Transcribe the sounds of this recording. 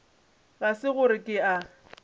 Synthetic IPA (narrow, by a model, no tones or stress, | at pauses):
ɣasɪɣʊɾɪkʼɪa